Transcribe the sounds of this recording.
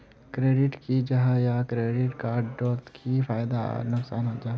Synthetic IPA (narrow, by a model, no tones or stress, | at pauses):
kɾeːɖɪʈkid͡ʒɐɦajakɾeːɖɪʈkaːɾɖɖoːt̪kʰifʰaːɪd̪a̰nʊksaːnɦod͡ʒaː